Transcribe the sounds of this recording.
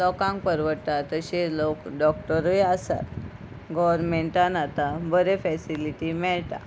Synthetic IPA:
lɔkãŋk̚pəɾʋəɾt̪at̪əɕelokɖɔk̚ʈəɾeasa̰t̪ | ɡɔʋəɾmeɳʈanat̪abəɾefɛsiliʈimɛɭt̪a̰

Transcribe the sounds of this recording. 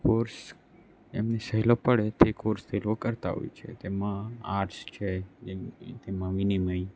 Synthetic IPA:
koɾs | ḛmnesəɦilopəɭet̪ekoɾst̪elokəɾt̪a̰ɦo̰jt͡ʃʰḛt̪emãaʈst͡ʃʰe | t̪emãʋiniməi

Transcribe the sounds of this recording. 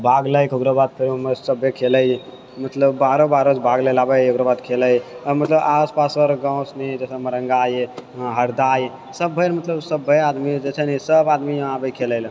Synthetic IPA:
bʱaɡləjkokɾobad̪̚pʰeɾuməsəbːekʰeləj | mət̪ləbːaɾobaɾosbʱaɡləlabəjokɾobad̪kʰeləjmət̪ləbaspasəɾɡãw̃snid͡ʒesəməɾəŋɡajɦəɾd̪aj | səbʱːəjɾmət̪ləbsəbʱːead̪mid͡ʒet͡ʃʰɛnɛsəbad̪miabəkʰeləl

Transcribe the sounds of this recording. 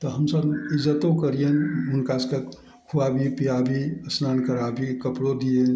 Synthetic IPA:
t̪ɔɦəmsəbizət̪õkəɾijenmʊnkaske | kʰuabʱipijabʱiəsnaːnkəɾabʱikəpɽod̪ije

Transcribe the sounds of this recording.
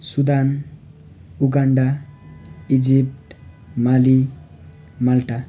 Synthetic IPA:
sud̪an | uɡaɳɖa | id͡ʒip̚ʈ | mali | malʈa

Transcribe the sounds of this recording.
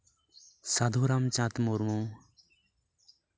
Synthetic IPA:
sad̪ʱuːɾamt͡ɕãt̪moɾmũː

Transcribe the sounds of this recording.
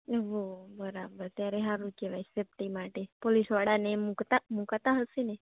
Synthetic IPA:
ʋobəɾabəɾt̪jaɾeɦãɾukeʋajsep̚ʈimaʈepolisʋaɽanemukt̪amukt̪aɦəsine

